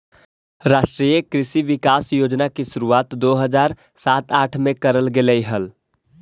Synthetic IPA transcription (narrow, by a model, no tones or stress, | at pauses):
ɾaːʃʈɾiːjəkɾɪʃiʋɪkaːsjoːd͡ʒnakiʃuɾuaːt̪d̪oɦəd͡ʒaːɾ | saːt̪aːʈʰmẽkəɾəlɡeləiɦəl